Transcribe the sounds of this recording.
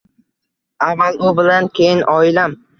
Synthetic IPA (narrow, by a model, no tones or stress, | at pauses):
avːalʊbɪlankʲʰejɪnʔɒɪlam